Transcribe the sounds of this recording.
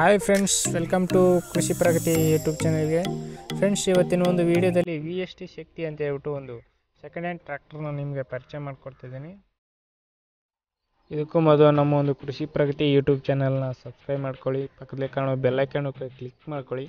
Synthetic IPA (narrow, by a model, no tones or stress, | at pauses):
ɦajpʰɾeɳɖsʋelkɐmʈukɾuʃipɾɐkɐt̪ijuːʈjuːbt͡ʃɐnɐlɡe̞pʰɾe̞ɳɖsiʋɐt̪ːinɐond̪uʋiːɽijɐd̪ɐlːiʋiesʈiʃɐk̚t̪iɐnt̪ɐɦeːɾʋiʈːuond̪u | sekɐɳɖeɳʈʈɾaːk̚ʈɐɾnɐnimɐɡe̞pɐɾt͡ʃɐjmaːɖkoɽt̪ajd̪iːni | id̪ukːumɔd̪lunɐmːɐond̪ukɾuʃipɾɐkɐt̪ijuːʈjuːb̚t͡ʃɐnɐlnɐsɐbskɾɐjbmaːɖkoɭipɐkːɐd̪ɐlikaːɳubɛlːɐkːaːɳukklikmaːɖkoɭi